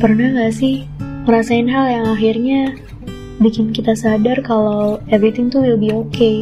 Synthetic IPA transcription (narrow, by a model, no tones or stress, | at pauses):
pərnahŋɡaʔsɪh | məɾasaɪnɦaljaŋaxirɲa | bikɪnkit̪asadarkalawɛvɾit̪ɪŋt̪uwɪlbiɦoke